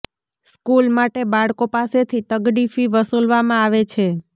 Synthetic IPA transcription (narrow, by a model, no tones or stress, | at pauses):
skulmaʈebaɭkopaset̪ʰit̪əɡɖifiʋəsulʋamãaʋet͡ʃʰe